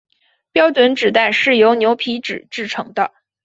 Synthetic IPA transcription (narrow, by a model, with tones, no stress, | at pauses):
pjɑ˥ʊʈ͡ʂwə˧˥nʈ͡ʂɻ̩˨˩t̪a˥˩ɪʂɻ̩˥˩jo˧˥ʊnjo˧˥ʊpʰi˧˥ʈ͡ʂɻ̩˨˩ʈ͡ʂɻ̩˥˩ʈ͡ʂʰɤ̰˧˥ŋd̪ə̰˧